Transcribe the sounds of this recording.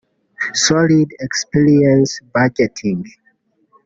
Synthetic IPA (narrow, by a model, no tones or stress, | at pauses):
sɔlidɛkspiɹiɛ̃nsbad͡ʒɛtʰĩŋ